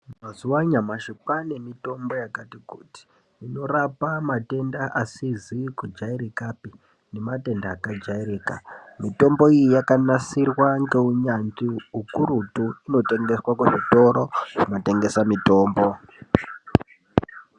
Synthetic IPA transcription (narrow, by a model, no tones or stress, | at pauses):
mazuwaɲamaʃipane̞mito̞mbo̞jakatikuːti̥ | ino̞rapamate̞ndaʔasizikud͡ʒaiɾikapi | ne̞mate̞ndaːkad͡ʒaiɾiːka̰mito̞mbo̞ijijakanasirwaŋɡe̞uɲand͡ʒiukuɾutuino̞te̞ŋɡe̞swakuʐito̞ɾo̞ʐ̥ino̞te̞ŋɡe̞samito̞ːmbo̞